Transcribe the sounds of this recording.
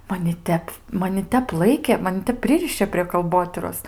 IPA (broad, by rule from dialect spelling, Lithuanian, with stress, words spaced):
mɐˈnʲɪ ˈtʲɛp mɐˈnʲɪ ˈtʲɛp ˈlˠɐɪkʲeː mɐˈnʲɪ ˈtʲɛp ˈpʲrʲɪrʲɪʃʲeː pʲrʲiɛ kɐlˠˈboːtʲiːroːs